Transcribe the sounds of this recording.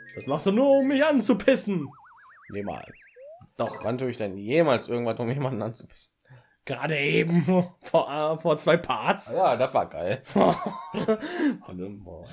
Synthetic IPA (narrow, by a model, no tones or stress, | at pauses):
d̥asmaχstd̥uːnuːɐʊmːɪçʔant͡supʰɪsn̩ | jeːma̰ːls | d̥ɔχvantʰuːɪçd̥ɛnjeːmaːlsʔɪɐɡŋ̩tvanʊmːɪçeːmandn̩ʔant͡su̥pʰɪ̥sn̩ | ɡ̥ʁaːdəʔeːbm̩ffoɐʔfoːɐt͡sv̥aɪpʰaɐtsjaːdasva̰ːɡaɪl | an̰